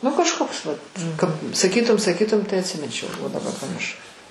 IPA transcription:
nʊ kɐʃˈkoːks ʋɐt kɐp sɐˈkʲiːtʊm sɐˈkʲiːtʊm tɐɪ ɐtʲsʲɪˈmʲɪnʲt͡ʃʲɛʊ oː dɐˈbɐr pɐmʲɪrˈʃɐʊ

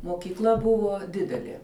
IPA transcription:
moːkʲiːˈklˠɐ ˈbʊʋoː ˈdʲɪdʲɛlʲeː

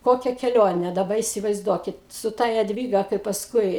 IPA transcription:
ˈkoːkʲɛ kʲɛˈlʲoːnʲɛ dɐˈbɐ iːsʲɪʋɐɪzˈduɔkʲɪt sʊ ˈtɐ jɛdʲˈʋʲiːɡɐ kɐɪ pɐsˈkʊɪ

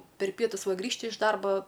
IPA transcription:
pʲɛr ˈpʲiɛtʊs ˈʋɐ ˈɡrʲiːʃʲtʲɪ ɪʃ ˈdɐrbɐ

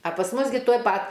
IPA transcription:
ɐ pɐs ˈmʊs ɡʲɪ tuɔj ˈpɐt

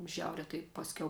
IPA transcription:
ˈʒʲɛʊrʲɛ tɐɪ ˈpɑːsʲˌkʲɛʊ

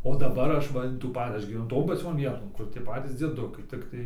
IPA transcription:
oː dɐˈbɐr ˈɐʃ ˈʋɐ ɪn tuː ˈpɐ ˈɐʃ ɡʲiːʋʲɛˈnʊ ˈtoːn pɐˈt͡sʲoːn ˈʋʲiɛtoːn ˈkʊr tʲiɛ ˈpɑːtʲiːs d͡zʲiɛˈdʊkɐɪ ˈtʲɪktɐɪ

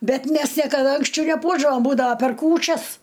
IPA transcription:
ˈbʲɛt ˈmʲæs nʲiɛkɐˈdɐ ɐŋksʲˈt͡ʃʲɛʊ nʲɛˈpuɔʒdɐʋoːm ˈbuːdɐʋɐ pʲɛr ˈkuːt͡ʃʲɛs

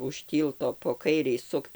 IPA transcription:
ʊʃ ˈtʲiːlˠtoː poː ˈkɐɪrʲɛɪ ˈsʊkt

